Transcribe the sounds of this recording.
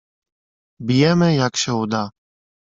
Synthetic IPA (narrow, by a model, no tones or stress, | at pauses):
bijɛmɛjakʃɛɔd̪a